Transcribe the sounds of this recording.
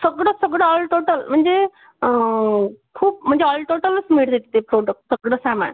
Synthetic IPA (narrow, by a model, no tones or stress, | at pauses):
səɡɽəsəɡɽəɔlʈoːʈəlm̤əɳd͡ze | kʰuːp̚m̤əɳd͡zeɔlʈoʈələt͡smiʈd̪et̪t̪epɾoɖək̚ʈsəɡɽəsama̰n